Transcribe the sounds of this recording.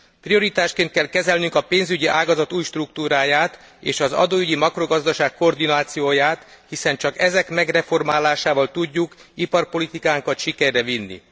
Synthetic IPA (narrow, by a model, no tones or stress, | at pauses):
pɾio̞ɾit̪aːʃtkeːnt̪̚kɛlkɛzɛlnyŋkɒpeːnzyɟiʔaːɡɒzɒt̪uːjʃt̪rukt̪uːɾaːjaːt̪ | eːʃɒzɒ̰d̪oːyɟimɒkro̞ɡɒzd̪ɒʃaːkko̞rd̪inaːt̪sijoːjaːt̪hisɛnt͡ʃɒkɛzɛkmɛɡrɛfo̞rmaːlaːʃaːvɒlt̪uɟːukipɒrpo̞lit̪ikaːŋkɒt̪ʃikɛrːɛvinːḭ